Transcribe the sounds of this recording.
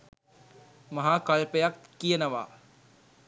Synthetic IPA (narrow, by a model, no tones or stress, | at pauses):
mɐɦaːkaɭpejakːijənəʋa̰ː